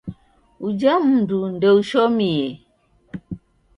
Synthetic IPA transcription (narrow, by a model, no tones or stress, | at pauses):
ud͡ʒəm̩dun̩dəuʃomie